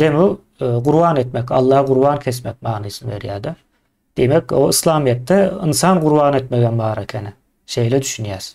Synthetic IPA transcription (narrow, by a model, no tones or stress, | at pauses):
d̪emu | ɡuɾbanɛt̪mɛca̰lˠːɑːhɡuɾbancʰɛs̬mɛc̚maːnɯjsɯnveɾijaːd̪ɛ | d̪̥emɛcʲoɯslˠaːmijɛt̪ʰːɛɯnsanɡuɾbaːnɛt̪med̪ænbaːɾacʰɛnɪ | ʃejlʲɛd̪yʃynjæz̥